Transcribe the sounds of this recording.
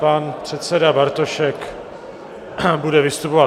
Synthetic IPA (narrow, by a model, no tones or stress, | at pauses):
panpr̥ɛt̪sɛdabaɾt̪oʃɛk | budɛvɪst̪upova